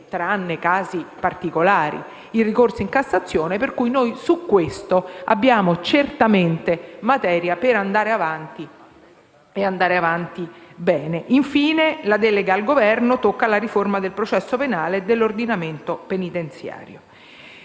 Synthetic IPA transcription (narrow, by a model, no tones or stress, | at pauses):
t̪ɾaanːekaːzipart̪ikolaːɾḭ | irikorsiŋkasːat̪sːjoːneperkujnojsukːwest̪oa̰bːjaːmot͡ʃert̪ament̪emat̪ɛːɾjapeɾand̪aːɾeavant̪i | eand̪aːɾeavant̪ibɛːneʔiɱfiːnelad̪ɛːleɡaːlɡovɛrnot̪okːalaɾiformad̪elpɾot͡ʃɛsːopenaːled̪elːord̪inament̪openit̪ent̪sja̰ːɾjo